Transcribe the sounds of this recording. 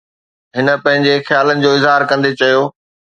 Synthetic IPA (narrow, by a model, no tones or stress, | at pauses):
ɦɪnə̆pɐ̃ɦɪ̃ɲd͡ʑexjaːlənɪ̆d͡ʑoːɪzɦaːɾkɐ̃nd̪et͡ɕɐjoː